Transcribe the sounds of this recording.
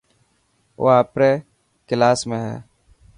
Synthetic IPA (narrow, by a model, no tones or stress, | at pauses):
o̰ːaːpɾeː | kɪlaːsmẽːɦɛ̰ː